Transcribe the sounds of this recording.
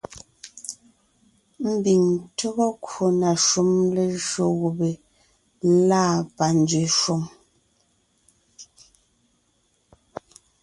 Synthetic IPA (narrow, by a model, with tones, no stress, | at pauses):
m̩˦bi˨ŋtɔ˦ɣɔ˦kʰu˨na˨ʃu˦mle˨ʒo˨ɣu˨be˨ | laː˦pa˨n˨˦d͡zɥi˨ʃo˨ŋ